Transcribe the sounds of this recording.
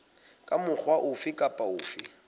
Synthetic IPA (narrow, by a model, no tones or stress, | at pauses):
kʼamʊk͡xwaʔʊfɪkʼapʼaʊːfɪ̰